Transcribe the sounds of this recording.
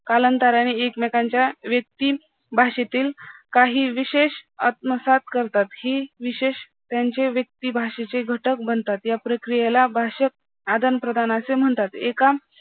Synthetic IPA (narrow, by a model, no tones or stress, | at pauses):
kalənt̪aɾaɽ̃iekmɛkãɲt͡ɕjaʋjək̚t̪iː | bʱaɕet̪iːlkaɦiːʋiɕeɕat̪̚məsat̪kəɾt̪at̪hiːʋiɕeɕ | t̪jaɲt͡ɕeʋjək̚t̪iːbʱaɕet͡ɕeɡʱəʈək̚bənt̪at̪japɾəkɾijelabʱaɕək̚ | ad̪ʱənpɾəd̪ʱanasem̤əɳt̪at̪eka